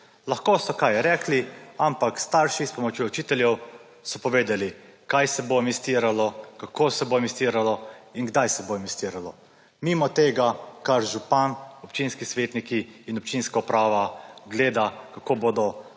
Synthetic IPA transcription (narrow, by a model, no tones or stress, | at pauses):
laxkoːsɔkajɾɛːkliampakst̪aɾʃispɔmɔt͡ʃjout͡ʃiːt̪ɛljɛw | sɔpɔʋeːd̪alikajsɛbomist̪iːɾalɔkakoːsɛbomist̪iːɾalɔinɡd̪ajsɛbomist̪iːɾalɔ | miːmɔt̪eːɡakaɾʒupanɔpt͡ʃinskisʋeːt̪nikiːnɔpt͡ʃinskaupɾaːʋaɡleːd̪akakoːboːd̪ɔ